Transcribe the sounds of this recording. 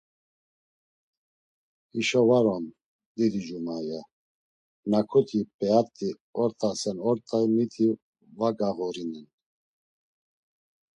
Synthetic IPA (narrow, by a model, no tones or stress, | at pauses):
iʃɔvaɾɔn | d̪id̪id͡ʒumaja | nakʰɔt̪ʰipʼɛat̪ʼi | ɔɾt̪ʼasɛnɔɾt̪ʼaimit̪ʰi | vaɡaɣɔɾinin